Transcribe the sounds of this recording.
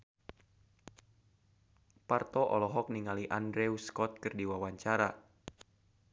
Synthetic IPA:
part̪ɔʔɔlɔɦɔk̚niŋaliʔandɾɛuskɔt̪̚kɨrdiwawaɲt͡ʃaɾa

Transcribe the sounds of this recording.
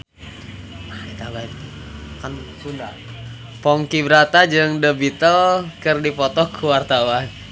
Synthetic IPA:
it̪abaikt̪ | kankunda | pɔŋkibəɾat̪ad͡ʒəŋdəbit̪ɔlkərdipɔt̪ɔkʰːuwart̪awan

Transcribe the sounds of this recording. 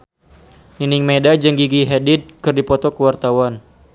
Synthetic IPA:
ninɪŋmedad͡ʒəŋɡiɡiɦɛdid̚kɨrdipɔt̪ɔkəwart̪awan

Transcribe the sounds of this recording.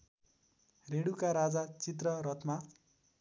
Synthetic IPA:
reɽukaɾad͡zat͡sit̪̬rʌɾʌt̪ʰma

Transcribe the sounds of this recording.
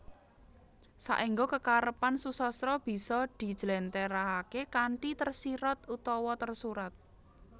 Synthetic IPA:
sa̰ʔiŋɡokəkaɾəpansusɔst̪ɾɔb̥i̤sɔd̪̥i̤d̥ʒ̥lɛnt̪eɾaɦakekaɳʈit̪ərsiɾɔt̪ut̪ɔwɔt̪ərsuɾat̪̚

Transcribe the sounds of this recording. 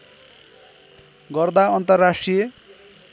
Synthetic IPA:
ɡʌrd̪aʌnt̪ʌrːasʈrije

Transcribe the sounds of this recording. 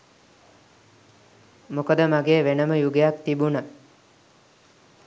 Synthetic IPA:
mukəd̪əmaɡeːʋenəməjuɡejakt̪ibunə

